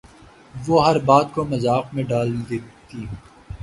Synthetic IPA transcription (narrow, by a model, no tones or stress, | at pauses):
ʋoɦɐɾbaːd̪komɐzaːqmẽɖaːld̪eːt̪iː